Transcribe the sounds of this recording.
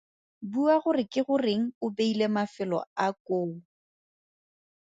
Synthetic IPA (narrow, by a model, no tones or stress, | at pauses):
buaχʊrɪkɪχʊrɪŋ̩ʊbeilemafɪlɔ̰akoː